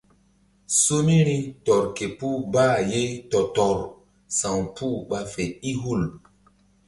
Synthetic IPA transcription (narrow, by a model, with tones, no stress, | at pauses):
so˦ni˦ɾi˦tɔ˨ɾke˨pu˦baː˦˨je˦tɔ˨tɔ˨ɾ | sã˨ŋpʰu˦ɓa˦fe˨i˦ɦu˦˨l